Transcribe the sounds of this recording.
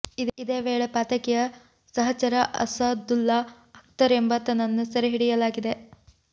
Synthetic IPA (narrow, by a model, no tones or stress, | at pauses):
iid̪eːʋeːɭepaːt̪ɐkɛjɐ | sɐɦɐt͡ʃɐɾɐʔɐ̰sɐd̪ulːa | ɐk̚t̪ɐɾe̞mbɐt̪ɐnɐnːusɐɾeɦiɽijɐlaːɡid̪e̞